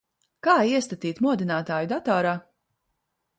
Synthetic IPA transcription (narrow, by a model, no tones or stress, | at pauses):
kaːiɛst̪at̪iːt̪muɔd̪inaːt̪aːjud̪at̪ɔːɾaː